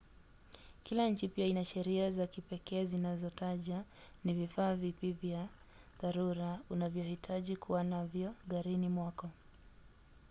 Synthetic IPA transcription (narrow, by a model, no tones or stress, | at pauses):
kilaɲ̩t͡ʃipiainaʃɛɾiazakipɛkɛːzinazɔtaʄanivifaːvipivja | ðaɾuɾaunavjɔhitʰaʄikʰuwanavjɔɣaɾinimwakɔ